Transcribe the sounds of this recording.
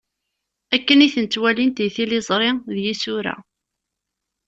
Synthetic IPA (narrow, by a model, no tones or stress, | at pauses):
ækːəniθənt͡sːwælint̪iθilɪzˤɾˤɪðjisʊɾæ̰